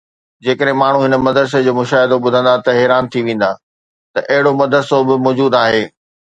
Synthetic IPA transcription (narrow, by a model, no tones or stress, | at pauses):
d͡ʑeːkəɗɦẽmaːɳ̤ũɦɪnə̆mɐd̪əɾs̬ed͡ʑoːmʊʃaːɦɪd̪oɓʊd̪ʱə̃nd̪at̪ɐɦeːɾaːnt̪ʰiʋẽːn̆d̪a | t̪ɐʔɐɦɪɽomɐd̪ʱəɾsobɪmɔːd͡ʑuːd̪aːɦeː